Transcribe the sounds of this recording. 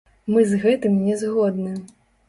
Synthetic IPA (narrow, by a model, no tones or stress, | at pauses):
mɨzɣɛt̪ɨmnʲɛzɣɔd̪nɨ